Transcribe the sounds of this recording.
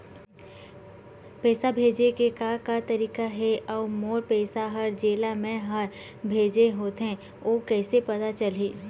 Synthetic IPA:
pɛːsabʱeːd͡ʒekekakat̪ɐɾiːkaɦɛʔɔːmoːɾpɛːsaɦəɾd͡ʒeːlamẽɦəɾ | bʱeːd͡ʒeɦoːt̪ɦẽ | oːkɛːsepɐt̪at͡ʃəlɦiː

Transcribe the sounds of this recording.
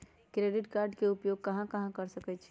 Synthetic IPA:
kɾeɖiʈkaɾɖkeupjoɡ̚kəɦãkəɦãkəɾsəkɛt͡ʃʰɛ̥

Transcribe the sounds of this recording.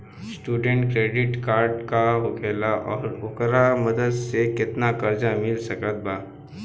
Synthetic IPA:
sʈuɖeɳʈkɾeɖiʈkaɾɖkaɦoɡelaʔɔːɾʋokɾaməd̪əd̪seket̪nakəɾd͡ʒamilsəkat̪̚ba

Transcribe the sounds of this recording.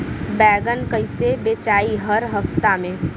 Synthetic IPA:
bɛːɡənkəɪsebeːt͡ʃaːiɦɐɾɦɐft̪amẽː

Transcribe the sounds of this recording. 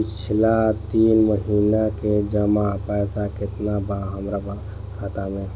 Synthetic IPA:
pɪt͡ʃʰlat̪iːnməɦiːnaked͡ʒəmapɛːsakɪt̪nabaɦəmɾaba | kʰaːt̪amẽ

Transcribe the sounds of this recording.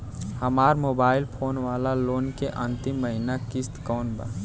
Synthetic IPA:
hɐmaːɾmoːbaːɪlpʰoːnʋaːlaloːnkeʔɐ̃nt̪ɪmːəɦɪnakɪst̪kɔːnba̰ː

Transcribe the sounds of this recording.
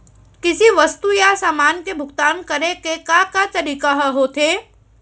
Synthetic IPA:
kɪsiʋɐst̪ujasaːmaːnkebʱʊɡt̪aːnkɐɾekekakat̪ɐɾikaɦəɦoːt̪ʰeː

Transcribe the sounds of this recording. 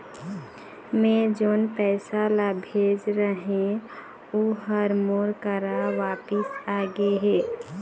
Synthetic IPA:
mẽd͡ʒoːnpɛːsalabʱeːd͡ʒɾəɦẽ | uɦəɾmoːɾkəɾaʋaːpɪsaɡeɦe

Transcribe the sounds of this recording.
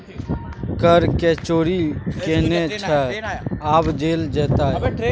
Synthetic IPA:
kəɾket͡ʃoːɾikenet͡ʃʰɛ | aːbd͡ʒeːld͡ʒɛːt̪a

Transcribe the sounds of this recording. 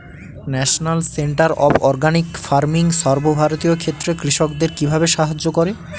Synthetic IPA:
nɛʃonalseɳʈaɾɔ̰bɔɾɡanikfaɾmiŋʃɔɾbobʱaɾot̪ijokʰet̪ːɾekɾiʃokd̪eɾkibʱabeʃaɦad͡ʑːokoɾe

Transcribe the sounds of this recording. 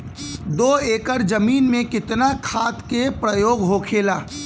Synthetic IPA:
d̪oːeːkəɾd͡ʒɐmiːnmẽkɪt̪nakʰaːt̪kepɾəjoːɡɦoːkʰeːlaː

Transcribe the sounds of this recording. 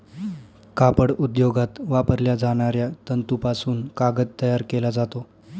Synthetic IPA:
kapəɽud̪joɡat̪ʋapəɾljad͡zaɽ̃aɾjat̪ənt̪upasuːnkaɡət̪̚t̪ːəjaɾkelad͡zat̪o

